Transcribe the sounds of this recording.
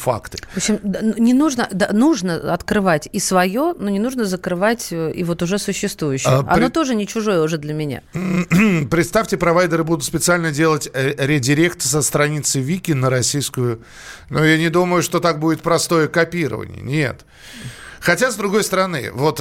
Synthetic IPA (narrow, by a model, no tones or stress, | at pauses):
fa̰kt̪ɨ̥opɕɪmd̪nnʲɪnuʐnəd̪anuʐnəɐt̪kɾɨvatʲisvɐjonunʲɪnuʐnəzəkɾɨvatʲḭvo̞t̪ʊʐɛsʊɕːɪst̪vujʉɕːɪjʔɐ̰no̞t̪o̞ʐɨnʲɪt͡ɕʊʐo̞jəʊʐɛd̪lʲəmʲɪnʲa̰ | pɾʲɪt̪st̪afʲtʲɪpɾɐvajd̪əɾɨbud̪ʊt̪spʲɪt̪sɨalʲnədʲe̞lˠətʲɾʲɪdʲɪɾʲe̞kt̪əsəst̪ɾɐnʲit̪sɨjvʲikʲɪnːəɾɐsʲijskʊjʊ | nujanʲɪd̪uməjʊʂt̪o̞t̪ak̚budʲɪt̪̚pɾɐst̪o̞jəkɐpʲiɾə̰və̰nʲɪ̰jə̰nʲḛt̪ | xɐtʲazd̪ɾʊɡo̞jst̪əɾɐnɨ̰vo̞t̪